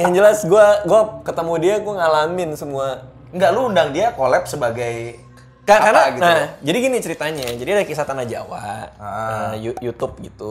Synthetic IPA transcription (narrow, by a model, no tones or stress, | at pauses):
jaŋd͡ʒəlasɡuaɡuakət̪əmudiaɡuaŋalamɪnsəmua | ŋɡaluːndaŋdiakolɛp̚səbaɡaj | kakarnaɡinahd͡ʒadiɡinit͡ʃəɾit̪aɲad͡ʒadiadakisat̪anahd͡ʒa̰wa̰ | jujut̪ʊp̚ɡit̪u